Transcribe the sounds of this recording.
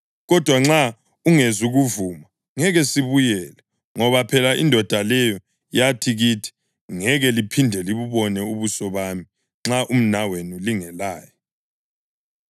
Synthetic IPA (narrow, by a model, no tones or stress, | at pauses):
ɣɔd̥ʱwaŋ͡ǁa | uŋezuɣuvuːma | ŋɛɣɛsiβujɛːlɛ | ŋɔβapʰɛlaḭndʱɔd̥ʱalɛjɔ | jatʰiɣitʰi̥ | ŋɛɣɛlipʰindʱɛliβuβɔnɛuβusɔβami | ŋ͡ǁaʔum̩nawenuliŋɛlaːjɔ